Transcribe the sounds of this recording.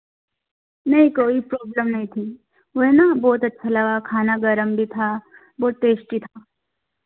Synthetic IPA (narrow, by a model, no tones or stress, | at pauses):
nɐɦĩkoːipɾɔːbləmnɐɦĩt̪ʰi | ʋɐɛnabɔːt̪ɐtːʃʰalɐɡakʰaːnaɡɐɾəmbʱit̪ʰaː | bɔːt̪ːeːʃʈit̪ʰaː